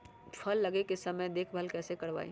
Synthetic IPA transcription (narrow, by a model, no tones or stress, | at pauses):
pʰɐlːɐɡekesɐməjd̪eːkʰbʱəlkɛːsekɐɾʋa̰ːḭ